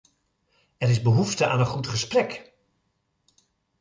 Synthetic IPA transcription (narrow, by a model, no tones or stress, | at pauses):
ɛɾɪzbəɦuftəʔa̰ːnənχutχəsprɛk